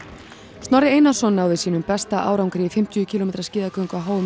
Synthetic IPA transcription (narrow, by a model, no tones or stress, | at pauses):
st̪nɔɾɪeːjnasɔnːaːwðɪsiːnʏmpɛst̪aʔa̰ːwɾawŋkɾiːifɪm̥t̪ʰʏʏcʰilɔmeːt̪ɾascɪːðakœɥŋkvaɦoːwʏ